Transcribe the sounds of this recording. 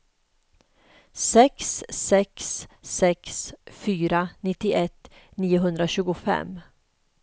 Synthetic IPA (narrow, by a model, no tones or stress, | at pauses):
sɛkssɛksːɛksfyːɾanɪt̪ːɪʔɛt̪ːniːʊɦɵnd̪ɾaɕʉ̟ːɡʊfɛ̰m